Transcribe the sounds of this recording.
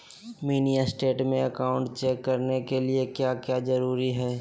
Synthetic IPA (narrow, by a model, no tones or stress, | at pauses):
miːnijasʈeːʈmẽɐkaːʊ̃ɳʈt͡ʃɛːkːɐɾnekeliekjakjazɐɾuːɾiɦɛː